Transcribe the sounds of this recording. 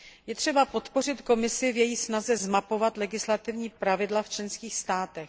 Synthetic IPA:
jɛt̪r̝̥ɛbapo̞t̪po̞r̝ɪt̪ko̞mɪsɪvjɛjisnazɛzmapo̞vat̪lɛɡɪslat̪ɪvɲiːpɾavɪdlaft͡ʃlɛnskiːxst̪aːt̪ɛx

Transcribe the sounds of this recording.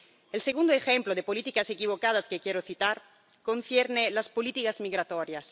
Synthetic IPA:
elseɣund̪oexemploðepolit̪ikasekiβ̞okað̞askekjeɾoθit̪aɾ | konθjeɾnelaspolit̪ikazmiɣɾat̪oɾjas

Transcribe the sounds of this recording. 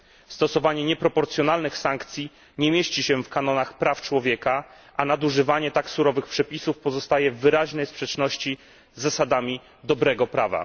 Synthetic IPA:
st̪ɔsɔvaɲɛɲɛpɾɔpɔɾt̪sʲjɔn̪alnɘxsaŋkt̪sʲji | ɲɛmʲjeɕt͡ɕiɕɛfkanɔnaxpɾaft͡ʂwɔvʲjɛka | ʔanad̪uʐɘvaɲɛt̪aksuɾɔvɘxpʂɛpʲisufpɔzɔst̪ajɛvːɘɾaʑnɛjspʂɛt͡ʂnɔɕt͡ɕi | zːasad̪amʲi | d̪ɔbɾɛɡɔpɾava̰

